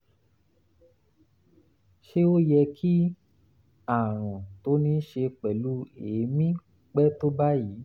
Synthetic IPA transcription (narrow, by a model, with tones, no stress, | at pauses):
ʃe˦o˦jɛ˧kʰi˦ | a˦˨ɾ̃ɔ̃˨to˨˦nĩ˧˦ʃe˧k͡pɛ˨lu˦eː˨˦mĩ˦ | k͡pɛ˦to˦ba˦jiː˨˦